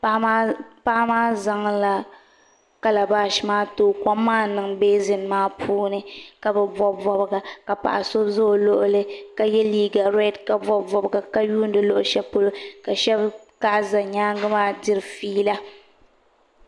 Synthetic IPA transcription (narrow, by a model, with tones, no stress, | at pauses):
pa˦maː˦za˦ŋla˦ | ka˦la˨baː˦ʃi˨maː˦toː˦kɔ˦mːaː˦nɨ˨ŋbeː˦zɪ˨nmaː˦pʰuː˦nɨ˦ka˦bɛ˦vɔ˦vɔ˦bɡa˨ka˨pa̰˨ʔa˨so˦zo˦˨lo˦ʔʊ˦lɨ˦ka˨jɛ˦liː˦ɡa˨ɾɛ˦dka˨vɔ˦vɔ˨bɡa˨ka˦juː˦n˦dɨ˦lo˦ʔʊ˨ʃɛ˦po˦lo˦ka˨ʃɛ˦b | ka˦ʔza˨ɲaː˦ŋɡɨ˦maː˦dɪ˦ɾfiː˦la˦